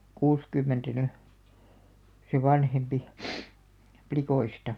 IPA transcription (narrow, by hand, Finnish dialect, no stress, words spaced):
kuːskymːentæ ny se ʋɑnhempi plikoistɑ